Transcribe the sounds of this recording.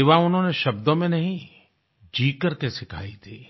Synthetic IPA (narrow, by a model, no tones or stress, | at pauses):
ɪʋaʊnɦõneʃɐbd̪õmẽnɐɦĩ | d͡ʒiːkəɾkesɪkʰa̰ːit̪ʰiː